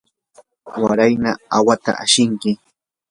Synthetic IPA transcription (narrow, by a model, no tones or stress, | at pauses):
waɾajnaawat̪a̰ʔaʃɪŋkɪ